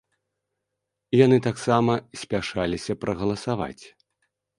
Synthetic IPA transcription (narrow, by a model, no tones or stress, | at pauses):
janɨt̪aksamɐsʲpʲaʂalʲisʲɐpɾɐɣɐlˠɐsava̰t͡sʲ